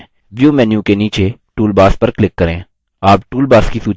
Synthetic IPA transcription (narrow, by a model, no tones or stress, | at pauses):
ʋjuːmɛːnjũkeniːt͡ʃeʈuːlbaːspɐɾklɪkːɐɾẽː | aːpʈuːlbaːskisuːt͡ʃ